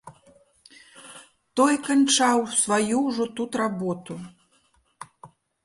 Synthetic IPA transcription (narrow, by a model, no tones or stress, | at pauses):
t̪ɔjkant͡ʂawsvajuwʐɔt̪ut̪ɾabɔt̪u